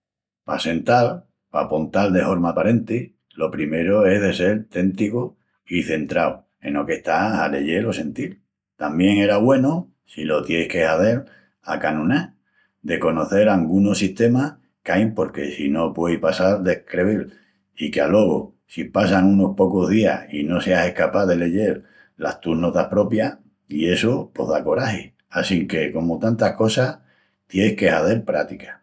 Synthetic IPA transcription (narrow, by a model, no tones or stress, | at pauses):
pase̞nt̪al | pa̰pont̪ald̪e̞fo̞ɾmapaɾe̞nt̪i | lo̞pɾime̞ɾo̞e̞ɦðe̞se̞ɾt̪e̞nt̪iko | iθe̞nt̪ɾaw | e̞no̞ke̞ht̪ahale̞̰ʝe̞lo̞se̞nt̪il | t̪ambje̞ŋe̞ɾaβwe̞no | silo̞t̪jejhke̞haθe̞l | a̰kanũna | d̪e̞ko̞noθe̞ɾaŋɡuno̞siht̪e̞ma | kajmpo̞ɾke̞sino̞pwe̞jhpasaɾd̪e̞hkɾeβil | ikealo̞ɣo̰ | sipasaŋuno̞hpo̞koɦðia̰hino̞se̞ase̞hkapaðe̞le̞ʝe̞ɾ | la̰st̪uɦno̞t̪ahpɾo̞pja | ie̞sopo̞̰ðako̞ɾahi | asiŋke̞ko̞mot̪ant̪ahko̞sah | t̪je̞jhke̞haθe̞ɾpɾat̪ikḁ